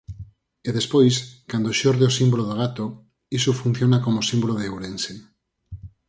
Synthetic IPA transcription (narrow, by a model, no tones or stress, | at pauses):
eðespojskand̪oʃoɾðeosimboloð̞oɣ̞at̪o | isufun̟θjonakomosimboloðewɾense